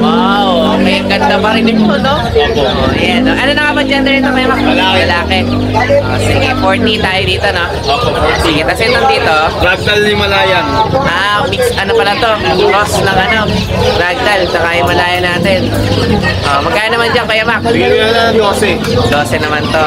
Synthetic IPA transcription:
waʔ | w | kɐjaɡɐnd̪ɐpɐɾɪnɪɡ̚t̪ono | oʔʔojanːoʔɐnonɐŋabɐnd͡ʒɐnd̪ɐɾɪnt̪okɐjamakalɐlaːkɛ | ʔoʔosiːɡɪfoɹt̪it̪aːjod̪iːt̪o̞no | siːɡɛk̪ɐsɛnmɐnd̪iːt̪o̞ɾaɡ̚t̪ɐlnɪmɐlaːjɐnʔaːmiksɐnopɐlɐt̪o̞ɾosnɐŋɐno | ɾaɡ̚t̪ɐlsɐkaːjʊŋmɐlaːjɐnaːt̪ɛn | ʔoʔmɐɡkːaːjɐnɐmand͡ʒɐŋpɐjamaksd̪osɛ | d̪oːsɛnɐmant̪o

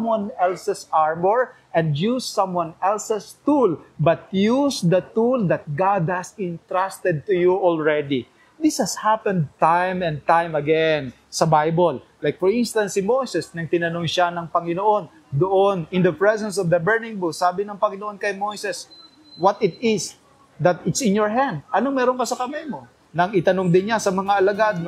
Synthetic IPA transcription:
mwanɛlsɛsaɹmɔɹʔɛ̃nd̪jusːɐ̃mwãnɛlsɛst̪ulbɐt̪̚jusd̪ɐt̪uld̪ɐt̪̚ɡad̪̚hɐsɪ̃nt̪ɹast̪ɛd̪̚t̪ʊjuʔɔlɹɛd̪i | d̪ɪshɐshapɛ̃nd̪̚t̪ajmɛ̃n̚t̪ãjmɐɡɛn | sɐbajbol | lajk̚fɔɹĩnst̪ɐ̃nt̪simojsɛsnɐɡ̚t̪ɪnɐnoŋʃanɐŋpɐŋɪnoʔo̞n | d̪ʊʔonɪ̃nd̪ɐpɹɛsɛ̃nsɔvd̪ɐbɛɹnɪ̃ŋbusaːbɪnɐŋpɐŋɪnoʔo̞nkɐjmojsɛs | wɐt̪ɪt̪̚ɪs | d̪ɐt̪ɪt̪sɪ̃njoɹɦãnd̪̚ɐnoŋmɛːɾoŋkɐsɐkɐmajmo | nɐŋɪt̪ɐnoŋd̪ɪnɲasɐmɐŋaʔɐlɐɡad̪̚n

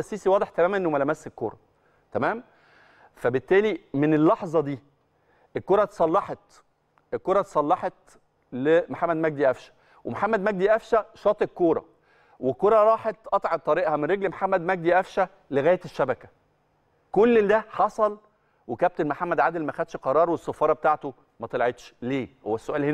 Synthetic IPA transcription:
æsːiːsiwɑːd̪ˤeħt̪æmæːmænʔenːomælæmæsːekːo̰ːɾˤɑ̰ | t̪æmæːm | fæbet̪ːæːlimenelːɑħzˤɑd̪iː | elkːoːɾˤɑt̪e̥sˤɑlːɑħɑt̪ | elkoːɾˤɑt̪e̥sˤɑlːɑħet̪̚ | lemoħamːæd̪mæɡ̚d̪iʔæfʃæ̥ | wḛmoħamːæd̪mæɡ̚d̪iʔæfʃæʃɑːt̪ˤekːoːɾˤɑ̰ | wekoɾˤɑɾˤɑːħet̪ʔɑt̪ˤʕɑb̚t̪ˤːɑɾiːʔhɑmenɾeɡlmħamːæd̪mæɡ̚d̪iʔæfʃæ | leɣæːjet̪eʃːæbækæ̥ | kolːd̪æħɑsˤɑl | wekæb̚t̪enmoħamːæd̪ʕad̪elmæxæd̪ʃqɑɾˤɑːɾˤwesːɑfɑːɾˤɑbet̪aːʕt̪o | mæt̪elʕet̪ʃleːhowːæsːoʔæːlhen

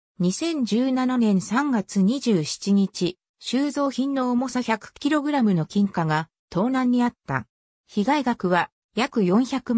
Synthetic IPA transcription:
ɲ̟isẽ̞ɲ̟d͡ʑɨːnananẽ̞ɰ̃sãŋɡat͡sɨɲ̟iʑɨːɕi̥t͡ɕiɲ̟it͡ɕi | ɕɨːzo̞ːçĩnːo̞ːmo̞saçʲakɯ̟̥kʲiɾo̞ɡɯ̟ɾamɯ̟no̞kʲĩŋkaɡa | t̪o̞ːnãɲ̟ːiat̪ːa̰ | çiɡaiɡakɯ̟βa | jakɯ̟jõ̞ɰ̃çakɯ̟m

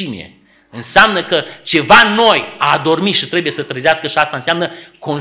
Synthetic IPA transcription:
imḭḛ | ɨnseamnəkət͡ʃe̞vano̞jad̪o̞rmit̪ʃit̪ɾe̞buje̞sət̪ɾəzeaskəʃiast̪aɨnseamnəko̞n

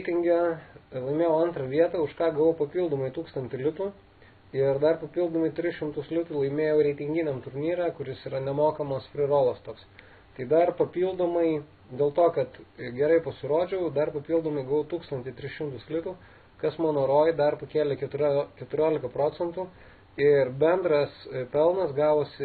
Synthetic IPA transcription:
ɾʲɛɪt̪ʲɪŋʲɡʲɛlˠɐɪmʲeːjɛʊɐnt̪rɐʋʲiɛt̪ɐʊʃkɑːɡɐʋopɐpʲiːlˠd̪oːmɐɪt̪uːkst̪ɐnt̪ʲɪlʲɪt̪uː | ɪrd̪ɐrpɐpʲiːlˠd̪oːmɐɪt̪ʲɾʲɪsʃʲɪmt̪ʊslʲɪt̪uːlˠɐɪmʲeːjɛʊɾʲɛɪt̪ʲɪŋʲɡʲɪnʲɛmt̪ʊɾʲnʲiːɾʲækʊɾʲɪsiːɾɐnʲɛmoːkɐmɐspʲɾʲɪroːlˠoːst̪oːks | t̪ɐɪd̪ɐrpɐpʲiːlˠd̪oːmɐɪ | d̪ʲeːlˠt̪oːkɐt̪ɡʲɛɾɐɪpɐsʲɪɾoːd͡ʒʲɛʊd̪ɐrpɐpʲiːlˠd̪oːmɐɪɡɐʋɐʊt̪uːkst̪ɐnʲt̪ʲɪt̪ʲɾʲɪsʃʲɪmt̪ʊslʲɪt̪uː | kɐsmɑːnoːɾoːjd̪ɐrpɐkʲeːlʲɛkʲɛt̪ʊɾʲkʲɛt̪ʊɾʲoːlʲɪkɐpɾoːt͡s̪sʲɛnt̪uː | ɪrbʲɛnd̪ɾɐspʲɛlˠnɐsɡɑːʋoːsʲɪ

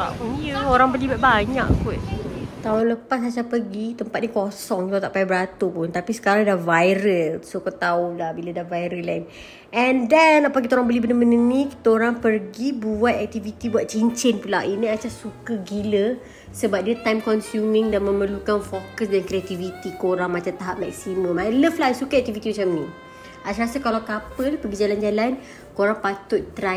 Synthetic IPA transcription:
auioɾaŋbəlibaʔ̪̚baɲaʔkut̪̚t̪aʊnləpasasapəɡit̪əmpat̪̚nikosɔŋkit̪at̪aʔpaibəɾat̪upʊnt̪apisə̥kaɾaŋdahvajɾəlsokot̪aolahbiladavajɾəlain | ʔɛndɛnapakit̪aoɾaŋbəlibənəmənənikit̪aoɾaŋpərɡibuat̪̚ɛk̚t̪ivit̪ibuat̪̚t͡ʃiɲt͡ʃɪnpula̰iniat͡ʃasukəɡilə | səbap̚diət̪ajmkɔnsjumɪ̃ŋdanmə̃məlukanfokəs̬dankɾiat̪ivit̪ikoɾaŋmat͡ʃamt̪aɦap̚mɛk̚simə̃mmaləflasukaɛk̚t̪ivit̪imat͡ʃamni | asɾasakalawkapəlpəɡid͡ʒaland͡ʒalan | koɾaŋpat̪ʊʔt̪ɾa

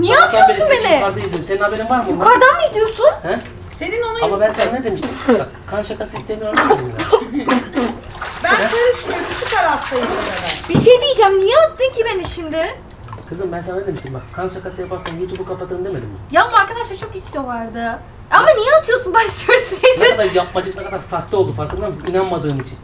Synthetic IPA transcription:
nijɛat̪ʰajounbenɪkaɾd̪aizijoɾmseninhabeɾimvaɾmukʰaɾd̪amid̪ijosunhɛ | senino̞naamabænsɛnned̪e̞miʃt̪ʰima | kʰanʃakasist̪ʰeminʲakaɯi | bænsøjɾyʃimejisukaɾat̪t̪ajd̪ed̪anbiʃejd̪ijid͡ʒæmnijɛat̪ːɯmcibenɪʃimd̪ɪ | kʰɯzɯmbænsannːed̪emiʃt̪imbakʰanʃakasɯjapaɾsanjuːt̪ʰubukʰapat̪ʰɯɾɯmd̪e̞me̞d̪imajamaɾkad̪aʃlˠaɾt͡ʃʰokisijo̞lˠaɾd̪ɯ | amanijɛat̪ʰɯjo̞sunbaɾsøɾsejd̪ɪad̪aɾjap̚mad͡ʒɯk̚nakad̪aɾsat̪lːˠiolˠd̪ufaɾklˠɯnˠamɯsɯninanmad̪ɯːnit͡ʃʰin

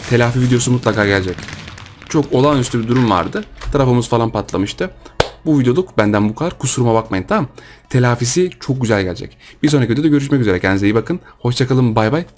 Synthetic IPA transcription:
t̪ʰe̞lʲaːfivid̪ejo̞sumut̪lˠakaːɟælʲed͡ʒɛct͡ʃʰo̞kʰo̞lˠanyst̪ʰybid̪uɾumva̰ɾd̪ɯt̪ʰaɾafɯmɯzfalˠanpʰat̪lˠa̰mɯʃt̪ʰɯbuvid̪ejo̞lˠukbænd̪ænbukʰad̪aɾkʰusuɾumabakmajɯnt̪ʰamamt̪ʰe̞lʲaːfis̬it͡ʃʰo̞k̚ɟyzælʲɟæ̰lʲd͡ʒɛ̰cb̥iɾsonɾacid̪jd̪aɡø̞ɾyʃ̬mɛc̬yzeɾɛcʰɛnzlejibakʰɯnho̞ʃt͡ʃʰakalˠɯmbajbaj

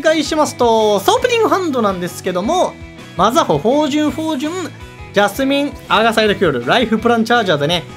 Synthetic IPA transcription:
ɡaiɕimasɨ̥t̪o̞st̪opɯ̟nʲĩŋɡɯ̟ɦãnd̪o̞nãnd̪e̞sɨ̥ke̞d̪o̞mo̞ | mazaho̞ɸo̞ːʑɨ̃ɰ̃ɸo̞ːʑɨ̃ŋ | d͡ʑasɨmʲĩŋaːɡasaid̪okʲijoɾɯ̟ɾaiɸɯ̟pɯ̟ɾãnt͡ɕaːʑaːd̪ene̞

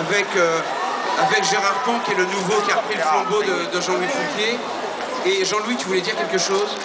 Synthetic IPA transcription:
avɛkø | avɛkʒeʁaʁpɔ̃kʲɛlənuvokʲiaʁəpχiləflɑ̃bod̪əd̪əʒɑ̃lwifɔ̃t̪je | eʒɑ̃lwit̪yvulɛd̪iʁkʲɛlkəʃoːz

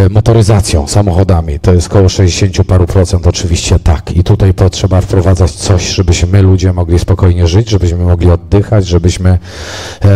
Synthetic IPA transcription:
mɔt̪ɔɾɘzat̪sʲjɔ̰̃w̃samɔxɔd̪amʲit̪ɔjɛst̪̚kɔwɔʂɛʑd͡ʑeɕeɲt͡ɕupaɾupɾɔt̪sɛnt̪ɔt͡ʂɘvʲiɕt͡ɕɛt̪akʰit̪ut̪ajpɔtʂɛbafpɾɔvad̪zat͡ɕt̪sɔɕʐɛbɘɕmɘlud͡ʑɛmɔɡlʲispɔkɔjɲɛʐɘd͡ʑʐɛbɘɕmɘmɔɡlʲiɔd̪ːɘxad͡ʑʐɛbɘɕmɘ

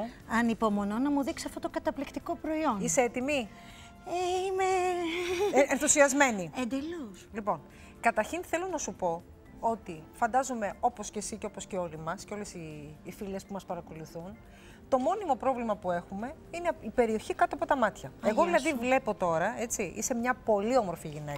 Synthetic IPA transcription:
ɐnipo̞mo̞no̞nɐmuðiksiɐft̪ot̪oɡɐt̪ɐplikt̪iko̞pɾo̞io̞niseet̪imi | eime | enθusiɐzme̞niend̪eluslipo̞n | kɐt̪ɐɾçinθe̞lo̞nɐsupo̞ | o̞t̪ifɐnd̪ɐzome̞o̞po̞sce̞siceo̞posceo̞limɐsceo̞le̞siːfilespumɐspɐɾɐko̞luθun | t̪o̞mo̞nimo̞pɾo̞vlimɐpue̞xume̞ | ineipe̞ɾio̞çikɐt̪oɐpot̪ɐmɐt̪çɐeɣo̞ððilɐðivle̞po̞t̪o̞ɾɐe̞t͡siʔḭse̞mɲɐpo̞lio̞moɾfiʝine̞k

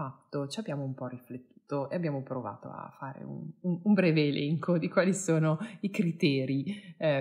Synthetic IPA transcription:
at̪ːot͡ʃiabːjaːmoumpɔrːiflet̪ːu̥ːt̪oeabjaːmopɾova̰ːt̪o̰a̰fːaːɾḛṵnunumbɾɛːveːlɛŋkod̪ikwaːlisoːnoikɾit̪ɛːɾi

